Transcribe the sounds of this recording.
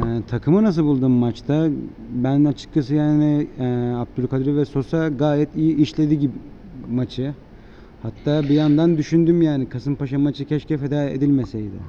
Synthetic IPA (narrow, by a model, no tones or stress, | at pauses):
ɛt̪ʰakʰɯmɯnas̬ɯlˠbulˠd̪uːmːat͡ʃt̪ʰa | bænat͡ʃʰɯ̥k̚t͡ʃʰas̬ɯjaːnɪɛap̚t̪uɾkʰad̪ɾɯvɛso̞saɡaːjɛt̪ijiʔːʃlʲe̞d̪iɟibi | mat͡ʃʰɯ | hat̪ːaːbijand̪and̪yʃynd̪ymjaːnikʰasɯmpaʃamat͡ʃʰɯcʰɛʃcɛfe̞d̪aːḛd̪ilʲmesejd̪ɪ̰